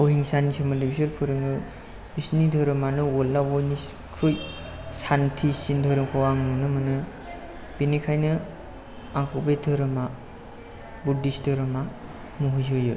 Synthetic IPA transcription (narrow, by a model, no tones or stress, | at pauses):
oɦiŋsanisɯmɯndibisɯɾpʰɯɾɯŋɯ | bisnidʱɯɾɯmanɯwɔlːawɔjnis | kʰɾuj | santʰisindʱɔɾɯmkʰawaŋunɯmɯnɯ | b̥inikʰajnɯ | aŋkʰɔbejdɯɾɯma | budisdɯɾɯma | muɦɯjɦɯjɯ